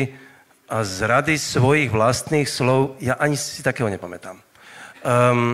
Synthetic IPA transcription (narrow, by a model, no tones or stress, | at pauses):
ʔazɾad̪isʋɔjiɣʋlast̪niːxslɔʊjaʔaɲisi̥t̪akɛːɦɔɲɛpamɛt̪a̰m